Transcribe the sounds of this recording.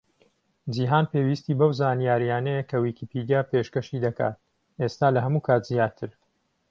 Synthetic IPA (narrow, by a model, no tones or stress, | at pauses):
d͡ʒiɦaːnpeːwist̪iːbɐwzaːnijaːɾijaːnɐjekʰɐwiːkʰipʰid̪ijaːpʰeʃkɐʃiːd̪ɐka̰ːt̪̚ | ʔest̪aːlɐɦɐmuːkʰaːt̪zijaːt̪ʰɨɾ